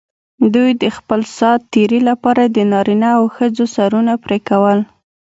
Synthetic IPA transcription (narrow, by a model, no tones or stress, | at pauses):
d̪ujd̪əxpəlsɑt̪ːeɾilapɑɾad̪ənɑɾinaːwxəd͡zosaɾunapɾekawəl